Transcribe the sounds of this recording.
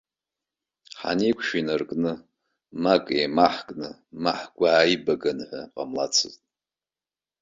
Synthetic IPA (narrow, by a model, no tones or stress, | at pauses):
ħa̰nikʷʰʃinɨrkʼnɨ | makʼemaħkʼnɨ | maħɡʷaːibaɡanħʷaqʼamla̰t͡sʰɨztʼ